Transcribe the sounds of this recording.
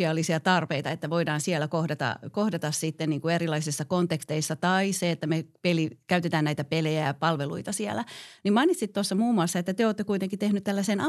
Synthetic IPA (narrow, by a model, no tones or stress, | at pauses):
iɑːlːisiɑt̪ɑrpeit̪ɑet̪ːæʋoidɑːnsiɛlækohdɑt̪ɑ̰kohdɑt̪ɑssit̪ːenniːŋkuerilɑisisːɑkont̪ekst̪eisːɑt̪ɑiseet̪ːæmepelikæyt̪et̪æːnæit̪æpelejæpɑlʋelṵit̪ɑsiɛlænimɑinit̪sit̪t̪osːɑmuːmːuɑsːɑet̪ːæt̪eoːt̪ːekuit̪eŋkit̪ehnyt̪t̪ælːæsenɑ